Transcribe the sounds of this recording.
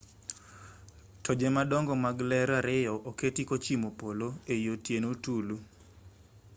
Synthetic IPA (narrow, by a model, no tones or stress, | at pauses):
tʰɔd͡ʒɛmadɔŋɡɔmaɡlɛɾaɾɪjɔʔoketikot͡ʃimopoloejotjenotulu